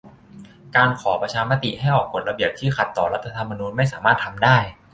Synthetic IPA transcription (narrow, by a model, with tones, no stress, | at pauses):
kaː˧nkʰɔː˩˦pɾa˧t͡ɕʰaː˧ma˦˥t̪ḭ˨˩ɦa˥˩jʔɔː˨˩kːo˨˩t̪̚ɾa˧bi˨˩əp̚t̪ʰiː˥˩xa˨˩t̪ːɔː˨˩ɾa˦˥t̪ʰːa˧t̪ʰa˧mːa˧nuː˧nma˥˩jsaː˩˦maː˥˩t̪ʰːa˧mdaː˥˩j